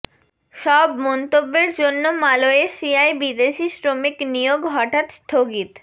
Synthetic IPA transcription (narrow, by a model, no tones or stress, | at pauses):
ʃɔbmɔnt̪obːeɾd͡ʑonːomaloeʃiajbid̪eʃisɾomiknijoɡɦɔʈat̪st̪ʰoɡit̪